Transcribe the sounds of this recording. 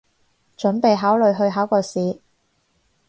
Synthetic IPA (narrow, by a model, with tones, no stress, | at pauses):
t͡ʃɵ˨˥npe˨jɦaː˨˥wlɵ˨ɥɦɵ˧ɥɦaː˨˥wkɔː˧siː˨˧